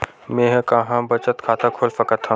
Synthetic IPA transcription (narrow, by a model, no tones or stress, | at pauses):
mẽɦkɐɦãbɐt͡ʃət̪kʰaːt̪ʰakʰoːlfɐkət̪ʰːã